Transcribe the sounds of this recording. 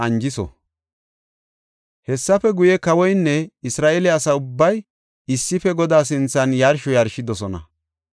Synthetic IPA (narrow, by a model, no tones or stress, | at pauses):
ɐnd͡ʒɪsɔ̰ | hɛsːɐfɛɡʊjɛkɐwɔjnːɛɪsɾaːʔɛlɛɐsɐʊbːɐj | ɪsːɪfɛɡɔd̪aːs̬ɪnt͡sːɐnjɐɾʃɔjɐɾʃɪd̪ɔsɔnɐ̰